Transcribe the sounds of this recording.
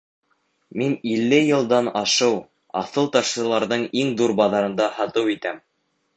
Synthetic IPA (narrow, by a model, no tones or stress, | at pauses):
minilːɘjɤ̆lˠd̪ɑnɑʃɤw | ɑ̰θɤlˠt̪ɑʃsɤ̆lˠɑɾðɤɴiŋðuɾbɑðɑɾɤ̆nd̪ɑhɑt̪ɤwit̪æm